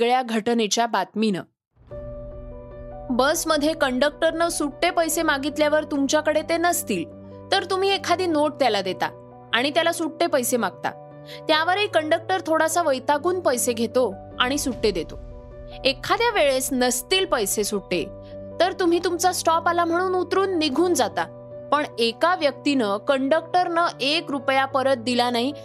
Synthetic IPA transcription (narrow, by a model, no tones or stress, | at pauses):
ɡɭjaɡʱəʈnet͡ɕjabat̪minə̰ | bəsməd̪ʱːjekəɳɖək̚ʈəɾnəsuʈʈepəjsemaɡit̪ljaʋəɾt̪umt͡ɕjakəɽet̪enəst̪iːl | t̪əɾt̪um̤iːekʰad̪iːnoʈ̚t̪jalad̪et̪a̰ | aɽ̃it̪jalasuʈʈepəjsemaɡ̚t̪a̰ | t̪jaʋəɾiikəɳɖək̚ʈəɾt̪ʰoɽasaʋəjt̪aɡuːnpəjseɡʱet̪o | aɽ̃isuʈʈed̪et̪o | ekʰːad̪jaʋeɭesnəst̪iːlpəjsesuʈːḛ | t̪əɾt̪um̤iːt̪umt͡sasʈɔpalam̤əɽ̃uːnut̪ɾuːnːiɡʱuːnd͡zat̪a | pəɳekaʋjək̚t̪inəkəɳɖək̚ʈəɾnəʔekɾupjapəɾət̪̚d̪ilanaɦi